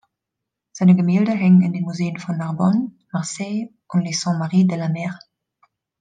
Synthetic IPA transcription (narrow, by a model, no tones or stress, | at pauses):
z̥aɪnəɡəmiːldəɦɛŋənɪndenmuzeːənfɔnːaʁbɔn | maʁsɛɪ | ʊnlesɑ̃maʁiːdəlamɛːʁ